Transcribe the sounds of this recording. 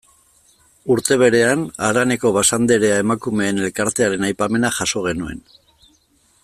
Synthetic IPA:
uɾt̪e̞β̞e̞ɾe̞anaɾane̞ko̞βasand̪eɾe̞ae̞makume̞ːne̞lkaɾt̪eaɾe̞najpame̞naʝaso̞ɣ̞e̞nue̞̰n

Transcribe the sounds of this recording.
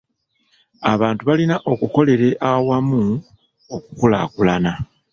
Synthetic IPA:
aβaːntuβalinaʔo̞kuko̞le̞ɾe̞ʔawamu | okukula̰kulana

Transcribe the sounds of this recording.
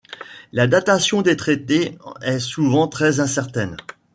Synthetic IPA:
lad̪at̪asjɔ̃d̪et̪χet̪eɛsuvɑ̃t̪χɛzɛ̃sɛʁt̪ɛn

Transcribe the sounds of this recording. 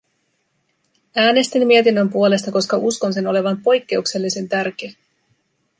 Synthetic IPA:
æːne̞st̪imːie̞t̪inːø̞mpuo̞le̞st̪ɑko̞skɑʔusko̞nse̞no̞le̞ʋɑmpo̞jkːe̞ukse̞lːise̞nt̪ærk̟e

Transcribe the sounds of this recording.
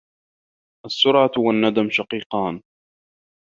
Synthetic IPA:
ʔasːʊɾʕawanːad̪amʃɑqiːqɑːn

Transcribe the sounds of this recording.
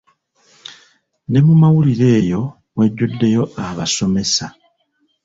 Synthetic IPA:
ne̞mumawuliɾe̞ːjo̞ | we̞ɟːudːe̞jo̞aβaso̞me̞sa

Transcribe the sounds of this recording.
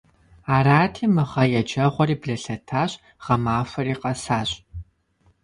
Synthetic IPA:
aːraːtʰiːmɨʁɐjɛd͡ʒɐʁʷɔɾiːbɮɐɬɐtʰaːɕ | ʁ̥ɐmaːfɐriːqɐsaːɕʼ

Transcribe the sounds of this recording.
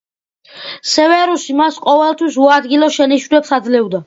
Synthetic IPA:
sɛvɛɾusimasqʼɔvɛlˠt̪ʰwisuad̪ɡilɔʃɛniʃwnɛpsad̪zlɛvd̪a

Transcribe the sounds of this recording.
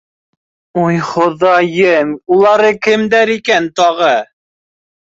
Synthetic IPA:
ujχŏðɑjɘmulˠɑɾɤkɘ̆md̪æɾikænt̪ɑʁɤ

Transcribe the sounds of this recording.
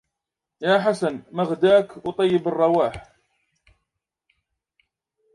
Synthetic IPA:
jaːħasanmaɣd̪aːkwt̪ˤɑjːɪbɑrˤːɑwaːħ

